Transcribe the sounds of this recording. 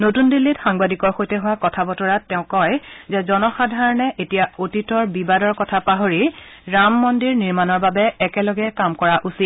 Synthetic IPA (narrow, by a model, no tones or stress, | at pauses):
notundilːitxaŋbadikɔɹxojtɛɦʊwakɔtʰabɔtɔɹatːɛʊ̃kɔjzɛzɔnɔxadʱaɹɔnɛʔetijaotitɔɹbibadɔɹkɔtʰapaɦoɹiɹamːɔndiɹniɹmanɔɹbabɛɛkɛlɔɡɛkamkɔɹaʔusit̚